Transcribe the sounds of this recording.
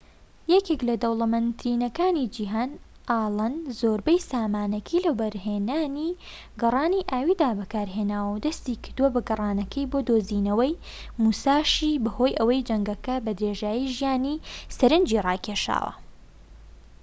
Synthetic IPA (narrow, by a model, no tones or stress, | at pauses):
jɛkeklɐd̪owlˠɐmɐnt̪ɾiːnɐkaːnid͡ʒiɦaːn | aːlˠɐnzoːɾbɐjsaːmaːnɐkʰilɐbɐɾɦeːnaːni | ɡɐrˤɑːniʔaːwiːd̪aːbɐkaːɾɦeːnaːwɐwd̪ɐst̪iːkʰɨɾd̪uwɐbɐɡɐrˤɑːnɐkʰɐjbod̪oːziːnɐwɐj | muːsaːʃiːbɐho̞ːjʔɐwɐjd͡ʒɐŋɡɐkɐbɐd̪ɾeːʒaːjiʒijaːnisɐɾɨnd͡ʒirɑːkʰeːʃa̰ːwɐ̰